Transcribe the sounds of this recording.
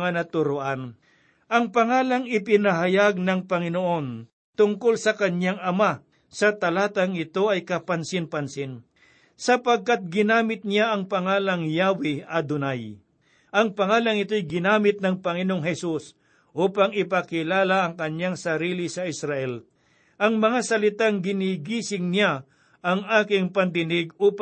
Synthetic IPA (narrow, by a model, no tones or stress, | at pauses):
ŋanɐt̪ʊɾoʔan | ʔɐŋpɐŋaːlaŋɪpɪnɐɦɐjaɡ̚nɐŋpɐŋɪnoʔo̞n | t̪ʊŋkolsɐkɐɲjaŋɐma | sɐt̪ɐlaːt̪ɐŋɪt̪o̞ʔɐjkɐpɐnsɪnpɐnsɪn | sɐpɐɡ̚kat̪̚ɡɪnaːmɪt̪̚njaʔɐŋpɐŋaːlɐŋjaːwɪɐd̪ʊnaj | ʔɐŋpɐŋaːlɐŋɪt̪ojɡɪnaːmɪt̪̚nɐŋpɐŋɪnoŋɦɛsus | ʔuːpɐŋɪpɐkɪlaːlaʔɐŋkɐɲjaŋsɐɾiːlɪsɐʔɪsɾɐʔɛl | ʔɐŋmɐŋasɐlɪt̪aŋɡɪniɡiːsɪŋnɪa | ʔɐŋaːkɪŋpɐnd̪ɪnɪɡ̚uːp